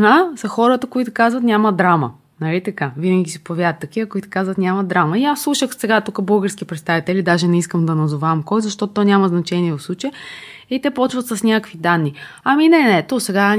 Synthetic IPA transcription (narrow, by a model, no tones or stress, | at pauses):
nazɐxɔɾət̪əkoit̪ʊkazvət̪nʲaməd̪ɾamə̰ | nɐlit̪ɐkavinəɡʲɡʲisipovʲjat̪ːɐkivəkoit̪ʊ̥kazvət̪nʲamɐd̪ɾamɐiasːlˠuʃəxsɛɡat̪ukəbɤlˠɡəɾsk̟ipɾɛt̪st̪avit̪ɛlʲid̪aʒɛnɛiskəmd̪ɐnɐzʊvavɐmkɔjzɐʃt̪ɔt̪ʊt̪ɔnʲaməznɐt͡ʃɛniɛfslˠut͡ʃəjə | it̪ɛpɔt͡ʃvət̪sɐsnʲakkvid̪anːi | ɐminɛnɛt̪ɔsɛɡa